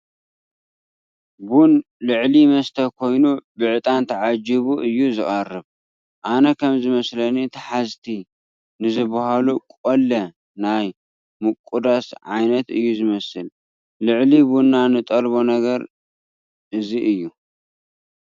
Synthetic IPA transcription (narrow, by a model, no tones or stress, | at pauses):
bun | lɨʕlimɐst̪ʰɐkʰo̞jnubɨʕɨt̪ʼant̪ʰɐʕad͡ʒiβuʔɨjːuzɨχʼɐrːɨβ | ʔanɐkʰɐmzɨmɐslɐnit̪ʰɐħazt̪ʰi | nɨzɨbahalukʼolːɐ | naj | mɨkʼːud̪asʕa̰jnɐt̪ɨjːuzɨmɐsɨl | lɨʕlibunːanɨt̪ʼɐɾbonɐɡɐɾ | ʔɨziʔɨjːu